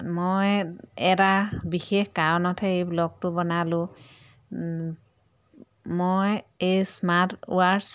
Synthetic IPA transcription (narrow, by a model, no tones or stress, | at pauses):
mojɛtabixexkaɹɔnɔtʰɛejblɔk̚tʊbɔnalʊ̃ | mojejsmatṵaɹs